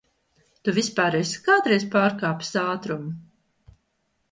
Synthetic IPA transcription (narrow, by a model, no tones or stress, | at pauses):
t̪uvʲispaːɾɛjskaːt̪ɾɛjspaːɾkaːpsaːt̪ɾum